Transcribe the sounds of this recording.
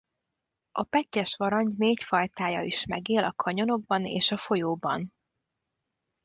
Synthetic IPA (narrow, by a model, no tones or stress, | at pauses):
ʔɒpɛcːɛʃʋɒɾɒɲneːcfɒjt̪aːjɒiʃmɛɡeːlɒkʰɒɲo̞no̞ɡ̚bɒnḛːʃɒfo̞joːbɒn